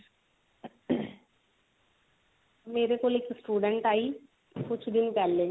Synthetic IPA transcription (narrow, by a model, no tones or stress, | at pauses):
meːɾekoːlɪksʈuːɖə̃ɳʈaːi | kʊt͡ʃʰd̪ɪnpɛːlːẽ